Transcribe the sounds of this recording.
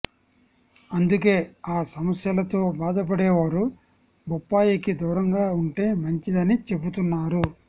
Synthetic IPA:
ɐnd̪uk̬e̞ːaːsɐmɐsjɐlɐt̪o̞ːbaːd̪ɐp̬ɐɽɛːʋaːɾu | bupːaːjikid̪uːɾɐŋɡaːuɳʈe̞ːmɐɲt͡ʃid̪ɐnit͡ʃe̞but̪unːaːɾu

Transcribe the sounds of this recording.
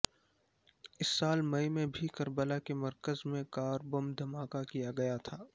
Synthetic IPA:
ɪsːaːlmɐimẽbʱikɐɾbəlakemɐɾkəzmẽkaːɾbomd̪ʱɐmaːkakijaɡɐjat̪ʰaː

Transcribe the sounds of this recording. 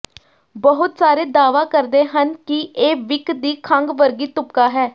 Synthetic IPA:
bəɦʊt̪saːɾeːd̪aːʋaːkəɾd̪eːɦənkɪʔeːʋɪkd̪iːkʰəŋɡʋəɾɡiːt̪ʊp̚kaːɦɛː

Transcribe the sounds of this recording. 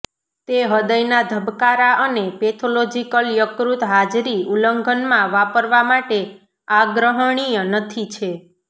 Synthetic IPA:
t̪eɦəd̪əjnad̪ʱəbkaɾaʔənepet̪ʰolod͡ʒikəljəkɾut̪ɦad͡ʒɾiuləŋɡʱənmãʋapəɾʋamaʈe | aɡɾəɦəɳ̃iənət̪ʰit͡ʃʰe

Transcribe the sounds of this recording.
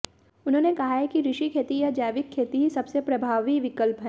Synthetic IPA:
ʊnɦõːnekɐɦaɦɛkiɾɪʃikʰeːt̪ijad͡ʒaːʋɪkʰːeːt̪iɦisɐbsepɾɐbʱaːʋiʋɪkəlpɦɛ̃ː

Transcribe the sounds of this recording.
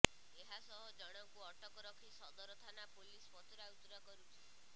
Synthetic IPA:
eɦasɔɦɔd͡ʒɔɽ̃ɔkuɔʈɔkɔɾɔkʰisɔd̪ɔɾɔt̪ʰanapolispɔt̪uɾawt̪uɾakɔɾut͡ʃʰi̥

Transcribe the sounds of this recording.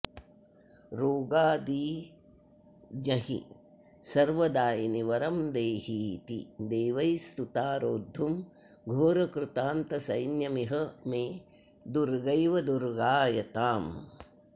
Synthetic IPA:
ɾoːɡaːd̪iː | d͡ʒɐɦḭ | sɐɾʋɐd̪aːjiniʋɐɾɐmd̪eːɦiːt̪ḭd̪eːʋɐjst̪ut̪aːɾoːd̪ʱːum | ɡʱoːɾɐkɾut̪aːnt̪ɐsɐjnjɐmiɦɐmeː | d̪uɾɡɐjʋɐd̪uɾɡaːjɐt̪aːm

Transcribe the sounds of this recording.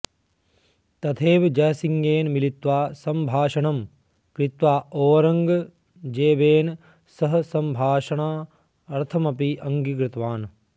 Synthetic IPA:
t̪ɐt̪ʰeːʋd͡ʒɐɦɐsiŋɡeːnmilit̪ʋaːsɐmbʱaːʃɐɳɐm | kɾɪt̪ʋaːoːɾɐŋɡ | d͡ʒeːbeːn | sɐɦɐsɐmbʱaːʃɐɳaː | ɐɾt̪ʰɐmɐpiʔɐŋɡikɾɪt̪ʋaːn

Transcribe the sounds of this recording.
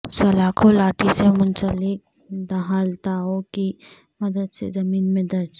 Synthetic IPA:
sɐlaːkʰolaːʈʰisemʊ̃nsəlɪk̚ | d̪ɐɦaːlt̪aɦoki | mɐd̪əd̪sḛzɐmiːnmẽd̪ɐɾd͡ʒ

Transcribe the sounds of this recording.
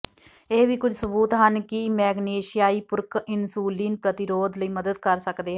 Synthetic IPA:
eːʋiːkʊd͡ʒsʊbuːt̪ɦənkɪmɛːɡneːʃijaːiːpʊɾkɪnsuːliːnpɾət̪ɪɾoːd̪ləiːməd̪əd̪̚kəɾsəkd̪eːɦɛ

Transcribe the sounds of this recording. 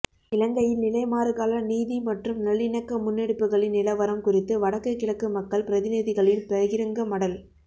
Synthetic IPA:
ɪlɐŋɡɐjɪlnɪlɐɪmaːɾɯɣaːlɐniːðimɐʈrɯmnɐɭːɪnɐkːɐmʊnːɛɽɯpːɯɣɐɭɪnːɪlɐʋɐɾɐmkʊrɪt̪ːɯʋɐɽɐkːɐkːɪɭɐkːɯmɐkːɐɭpɪɾɐðɪnɪðɪɣɐɭɪlpɛɣɪɾɯŋɡɐmɐɽɐl

